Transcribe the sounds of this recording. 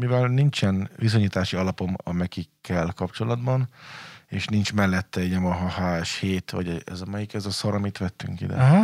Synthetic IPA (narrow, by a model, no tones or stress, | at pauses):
mivɛlnint͡ʃɛnvis̬o̞ɲiːt̪aːʃiɒlɒpo̞mɒmɛkikːɛlkɒpt͡ʃo̞lɒd̪bɒneːʃnint͡ʃmɛlːɛt̪ːɛijɛmɒɦɒhaːʃheːt̪ʋɒ̰ɟɛɛ̰zɒmɒjikɛzɒsoɾɒmit̪ʋɛt̪ːy̰ŋkḭd̪ɛ̰